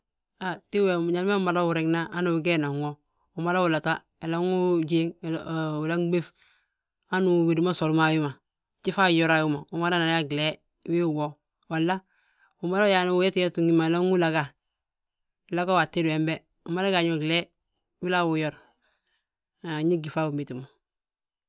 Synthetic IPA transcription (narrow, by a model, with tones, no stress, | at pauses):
a˨ti˦we˨m˨ɲa˨lma˦u˦ma˨la˦wu˨ɾe˨ɡna˦a˦nu˨ɡe˦na˨ŋo˦ | u˨ma˦la˦wu˨la˨ta˦ | e˨la˦ŋu˦ɟi˦ŋu˨la˦ŋɡ͡be˦f | a˦nu˨we˨dma˦so˨lma˨ju˦ma˨ | t͡ʃi˦fa˦˨jo˦ɾa˨ju˦ma˨u˨ma˦ɾa˦na˨ja˦ɡi˨le˦ | wi˦u˨wo˦ | wa˨lːa˦ | u˨ma˦la˦ja˨nu˨wu˦je˦tje˦tu˨ŋi˦ma˨e˨la˦ŋu˦la˨ɡa˨ | la˦ɡa˦wa˨tːe˦du˨e˨mbe˦ | u˨ma˦la˦ɡa˨ɲo˦ɡle˦ | wi˦la˦wu˨jo˦ɾ | ɲi˦ɡi˨fa˦wu˨mi˨ti˨mo˨